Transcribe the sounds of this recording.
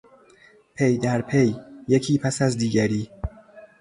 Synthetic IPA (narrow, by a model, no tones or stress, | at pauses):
pʰejd̪æɾpʰejːecʰiːpʰæsæzd̪iːɡæɾiː